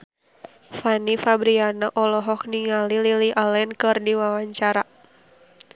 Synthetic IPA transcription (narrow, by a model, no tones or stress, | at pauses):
fanifabɾianaʔɔlɔɦɔk̚niŋalililiʔalɛnkɨrdiwawaɲt͡ʃaɾa